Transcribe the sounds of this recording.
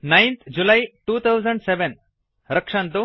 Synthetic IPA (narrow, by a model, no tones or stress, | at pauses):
najnt̪ʰd͡ʒulaiʈuːt̪ʰawzəɳɖseʋen | ɾəkʂant̪u